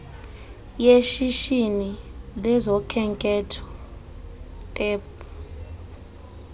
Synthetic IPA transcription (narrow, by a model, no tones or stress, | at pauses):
jeʃiʃinilɛzɔkʰɛŋkʼɛtʰɔ̥ | tʼɛːpʼu